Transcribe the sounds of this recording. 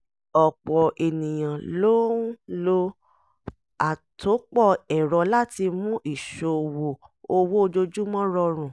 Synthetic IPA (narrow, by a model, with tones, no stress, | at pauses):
ɔ˨k͡pɔ˨ʔe˨nĩ˨j̃ã˨lo˦lo˦ | a˨tʰo˨˦k͡pɔ˦˨ɛ˨ɾɔ˨˦la˦ti˧mũ˦ʔi˦˨ʃo˧˨wo˨o˧wo˦˧d͡ʒo˧d͡ʒu˦mɔ̃˦ɾɔ˧ɾ̃ũ˨